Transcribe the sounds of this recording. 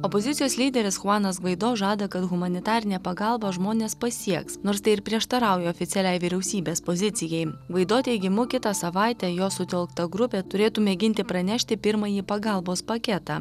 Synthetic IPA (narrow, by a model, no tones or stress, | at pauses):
ɔpozʲɪt̪sʲɪjoːsʲlʲiːd̪ʲɛɾʲɪsxʊɑːnɐsɡʋɐɪd̪oːʒɑːd̪ɐkɐt̪ɣʊmɐnʲɪt̪ɑːɾʲɪnʲɛːpɐɡɑlˠbɐʒmoːnʲeːspɐsʲiɛksnoːɾst̪ɐɪɪɾpʲɾʲiɛʃt̪ɐɾɑˑʊjɛɔfʲɪt̪sʲɛlʲɛɪʋʲɪɾʲɛʊsʲiːbʲeːspozʲɪt̪sʲɪjɛɪʋɐɪd̪oːt̪ʲɛɪɡʲɪmʊkʲɪt̪ɐsɐʋɑˑɪt̪ʲɛːjoːsʊt̪ʲɛlˠkt̪ɐɡɾʊpʲeːt̪ʊɾʲeːt̪uːmʲɛɡʲɪnʲt̪ʲɪpɾɐnʲɛʃʲt̪ʲɪpʲɪɾmɐjiːpɐɡɑlˠboːspɐkʲɛt̪ɑː